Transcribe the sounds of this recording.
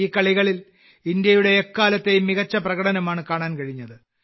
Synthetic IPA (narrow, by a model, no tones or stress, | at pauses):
iːkːɐɭiɣɐɭil | ind̪jɐjuɽe̞ːkːaːlɐt̪ːe̞jumːiɣɐt͡ɕːɐprɐɣɐɽɐnɐmaːɳɨkaːɳaːnkɐɻiɲːɐðɨ